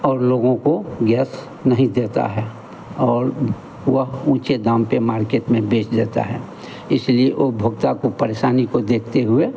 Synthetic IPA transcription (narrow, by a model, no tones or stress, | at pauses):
ɔːɾloːɡõkoɡɛːs | nəɦĩd̪eːt̪a̰ɦɛ | ɔːɾ | wəɦũːt͡ʃed̪ãːmpemaːɾkeːʈmẽbeːt͡ʃd̪eːt̪a̰ɦɛː | ɪslieʔoːbʱʊɡ̚t̪akopəɾeːʃaːnikod̪eːkʰt̪eɦʊe